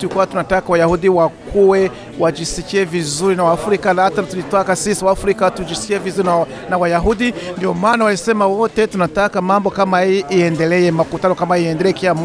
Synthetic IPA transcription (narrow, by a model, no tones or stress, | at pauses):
tuikuwatunatakawajahudiwakuwɛ | wad͡ʒisikiɛvizuɾinawaːfɾikanahatanatulitwakasisawaːfɾikatud͡ʒisi̥kiɛvizuɾia | nawajaɦudindiɔmaːnawaisɛmawɔtɛtunatakamambɔkamahijɛʔiɛndɛlɛɛmakutanɔkamaiɛndɛlɛkiam